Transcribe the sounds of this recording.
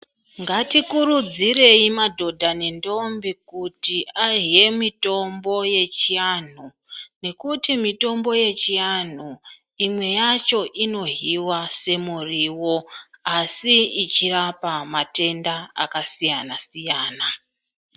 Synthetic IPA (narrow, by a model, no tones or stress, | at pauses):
ŋɡatikuɾud͡zire̞imadʱo̞dʱane̞ndo̞mbikutiaɦije̞mito̞mbo̞je̞t͡ʃijan̤u | ne̞kutimito̞mbo̞je̞t͡ʃijan̤u | imwe̞jat͡ʃo̞ʔino̞ɦiwase̞muriːwo̞asiit͡ʃirapamate̞ndaa̰kasijanasijaːna